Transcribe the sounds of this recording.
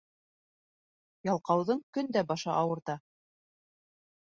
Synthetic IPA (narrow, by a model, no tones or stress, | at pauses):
jɑlˠqɑwðɤɴkɵnd̪æbɑʃɑʔɑwɤ̆ɾt̪ɑ